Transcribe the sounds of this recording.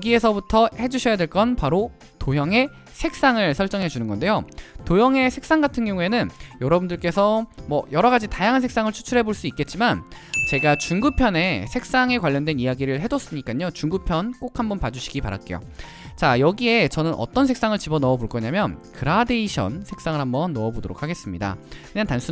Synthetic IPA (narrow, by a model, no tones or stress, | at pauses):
jɡie̞sʰʌbutʰʌhe̞d͡ʑuɕʰʌjadwe̞ɭk͈ʌnpaɾo | tojʌŋe̞ | sʰe̞k̚s͈aŋɯɭsʰʌɭt͡ɕ͈ʌŋɦed͡ʑunɯnɡʌnde̞jotojʌŋe̞sʰek̚s͈aŋɡatʰɯnɡjʌŋue̞nɯnjʌɾʌbundɯɭk͈e̞sʰʌmwʌjʌɾʌɡad͡ʑitajaŋɦansʰe̞k̚s͈aŋɯɭt͡ɕʰu̥t͡ɕʰuɾɦe̞boɭs͈uik͈e̞t̚t͡ɕ͈imant͡ɕe̞ɡat͡ɕuŋɡupʰjʌne̞sʰe̞k̚s͈aŋe̞kwaʎːʌndwe̞nijaɡiɾɯɭɦe̞dʌs͈ɯmɲik͈aɲot͡ɕuŋɡupʰjʌnk͈ok̚ʰhambʌnpad͡ʑuɕʰi̥ɡipa̰ɾa̰k͈e̞̰jo̰ | t͡ɕajʌɡie̞t͡ɕʌnɯnʔʌ̰t͈ʌnsʰeks͈aŋɯɭt͡ɕibʌnʌʌboɭk͈ʌɲamjʌnkʰɯɾade̞iɕʰʌ̰nsʰe̞ks͈aŋɯɭhambʌnːʌʌbodoɾokʰaɡe̞s͈ɯmɲida̰kɯɲantansʰu